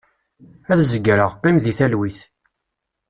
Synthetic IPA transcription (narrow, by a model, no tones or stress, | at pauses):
æðzəɡɾəʁqːimðiθælwiθ